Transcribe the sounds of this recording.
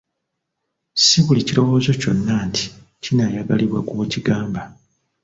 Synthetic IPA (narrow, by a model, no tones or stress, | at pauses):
siβuliciɾo̞wo̞ːzo̞co̞nːaːntʰi̥ | cinajaɡa̰liβwakwciɡaːmba